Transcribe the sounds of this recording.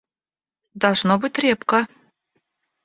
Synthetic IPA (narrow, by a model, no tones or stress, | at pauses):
d̪ɑlˠʐnobɨtʲrʲepkə